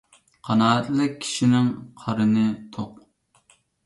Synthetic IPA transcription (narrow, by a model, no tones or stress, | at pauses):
qʰɑnɑːɛt̪lɪk̚ʲʰi̥ʃinɪŋqʰɑɾɨnɨt̪ʰoq